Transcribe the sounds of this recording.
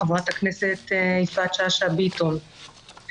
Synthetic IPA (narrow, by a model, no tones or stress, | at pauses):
vat̪akneset̪isfat͡ʃaʃabit̪on